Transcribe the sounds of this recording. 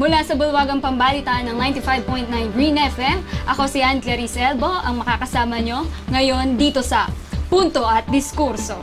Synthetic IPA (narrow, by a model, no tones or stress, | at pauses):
mʊlasɐbʊlwaːɡɐŋpɐmbaːlit̪ɐnɐŋnajnt̪ifajb̚pojnt̪najnɹinɛfʔɛmʔɐko̞siʔanklɛɾisɛlbo̞ʔɐŋmɐkakɐsaːmɐɲo̞ŋɐjo̞nd̪iːt̪o̞sɐpunt̪o̞ʔɐt̪̚d̪ɪskuɾso